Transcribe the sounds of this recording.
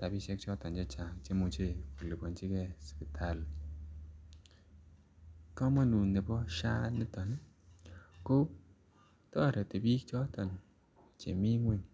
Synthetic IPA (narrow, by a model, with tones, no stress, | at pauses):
ta˨bi˦se˦k̚t͡ʃɔ˦tɔ˨n˨d͡ʒe˦t͡ʃa˨t͡ʃe˦mu˨t͡ʃe˦˨u˨le˨bɔ˨n˦t͡ʃi˦ke˦spi˨tʰa˨l | kɔ˦mɔ˦nu˨ne˨bɔ˦ʃa˦ne˦tɔ˨n˦ | ko˦ | tɔ˦˨ɾe˨te˨bi˦kt͡ʃɔ˦tɔ˨n | t͡ʃḛ˨mi˦ŋʷe˦n